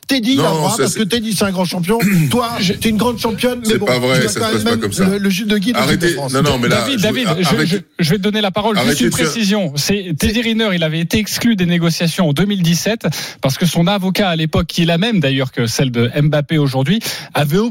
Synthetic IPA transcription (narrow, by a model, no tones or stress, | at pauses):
t̪ɛd̪iããpasəkət̪yɛd̪isɛɛ̃ɡʁɑ̃ʃɑ̃pjɔ̃t̪waʒt̪eynɡʁɑ̃d̪ʃɑ̃pjɔnmɛɛb̃vʁɛakɑ̃mɛmːɛmkɔmsələʒyd̪əɡʲid̪ʁd̪eɑ̃sɔnɔ̃mɛd̪avid̪d̪ːavid̪ʒʒ | ʒəvɛt̪əd̪ɔnelapaʁɔlʒʒyst̪ynpχesizjɔ̃sɛt̪ed̪iʁinœʁilavɛet̪eɛksklyd̪eneɡɔsjasjɔ̃ɑ̃d̪əmild̪isɛt̪paʁsə̥kəsɔ̃navɔkaːlepɔkʲʰːiɛlamɛmd̪ajœʁkəsɛld̪əɛmbapeoʒuʁd̪ɥiavɛo